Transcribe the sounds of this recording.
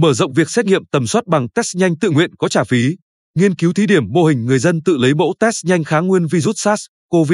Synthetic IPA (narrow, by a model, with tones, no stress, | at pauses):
məː˧˩zə̰˧˨wŋ͡mvi˨˩ək̚sɛ˦˥t̚ŋḭ˧˨əmt̪ə˨˩mswaə˦˥t̚ɓa˨˩ŋt̪ɛ˦˥sɲa˧jŋt̪ɨ̰˧˨ŋwḭ˧˨ənkɔ˨˦t͡ɕaː˧˩fi˨˦ | ŋi˧ənki˨˦wt̪ʰi˨˦ɗi˧˩əmːo˧hï˨˩ŋ̟ŋɨ˨˩əjzə˧nt̪ɨ̰˧˨lə˨˦jmo̰˧˥t̪ɛ˦˥sɲa˧jŋ̟xaː˨˦ŋwi˧ənvi˧zu˦˥t̚saː˦˥s | ko˧vi˦˥